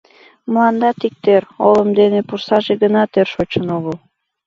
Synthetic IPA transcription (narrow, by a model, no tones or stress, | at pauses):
mlˠɑnd̪ɑt̪ik̚t̪eɾoləmd̪enepursɑʒeɡənɑt̪ørʃot͡ɕənoɣəlˠ